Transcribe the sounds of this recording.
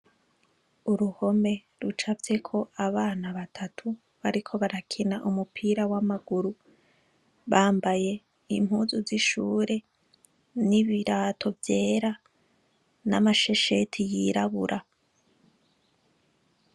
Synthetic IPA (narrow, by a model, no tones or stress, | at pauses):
uɾuho̞me̞ | ɾut͡ʃavje̞kʰo̞ʔaβaːnaβatʰatʰu | βaɾikʰo̞βaɾakʰinaʔumupʰiːɾawamaɡuɾu | βaːmbaje̞ | ḭm̥huːzuziʃuːɾe̞ | niβiɾaːtʰo̞vje̞ːɾa | na̰maʃe̞ʃetʰijiɾaβṵɾʔa